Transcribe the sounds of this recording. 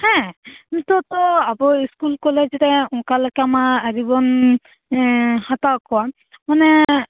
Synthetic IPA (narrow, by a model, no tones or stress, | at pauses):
hɛ̃mit̪ɔt̪ɔabɔiskulkɔlɛd͡ʒɾɛɔ̃kalkamaəɾibɔn | hat̪akɔwa | manɛ